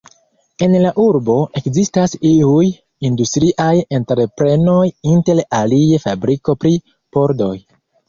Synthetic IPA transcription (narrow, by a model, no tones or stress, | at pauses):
e̞nlaʔuɾbo̞ʔe̞kzistasiuj | industɾiʔajenteɾpɾe̞no̞jinte̞laliefabɾiko̞pɾi | po̞ɾdo̞j